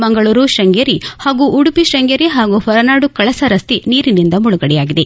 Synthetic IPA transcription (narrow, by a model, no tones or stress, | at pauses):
mɐŋɡɐɭuːɾuʃɾɐŋɡɐɾihaːɡuʔːɽupiʃɐŋɡjɐɾiɦaːɡuhɐɾɐnaːɽukɐɭɐsɐɾɐst̪iniːɾinind̪ɐmuɭuɡɐɽɛjaːɡid̪e